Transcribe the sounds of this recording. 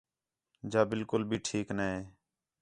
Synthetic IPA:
d͡ʒaːbɪlkʊlbʱiːʈʰiːknaːeː

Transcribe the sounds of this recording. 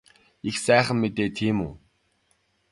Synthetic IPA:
ixsæːχə̆mːet̪eːt̪ʰiːmṵː

